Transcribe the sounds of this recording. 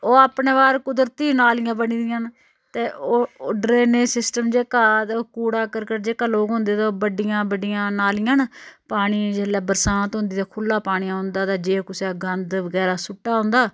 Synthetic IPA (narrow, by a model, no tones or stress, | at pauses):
oːaːpɳeːʋaːɾkʊd̪əɾt̪iːnaːlɪjãːbəniːd̪ɪjãːn | t̪eːoːɖɾeːnẽːsɪsʈəmd͡ʒeːkaːkuːɽaːkəɾkəɾd͡ʒeːkaːloːɡɦʊ̃nd̪eːt̪aːoːbəɖɪjãːbəɖɪjãːnaːlɪːãːnpaːɽ̃iːd͡ʒeːlɛːbəɾsãːnt̪ɦʊ̃nd̪iːt̪aːkʰʊlːaːpaːɽiːãːɦʊnd̪aːt̪aːd͡ʒeːkʊseɡənd̪ʋəɡɛːɾaːsʊʈːaːɦʊ̃nd̪aː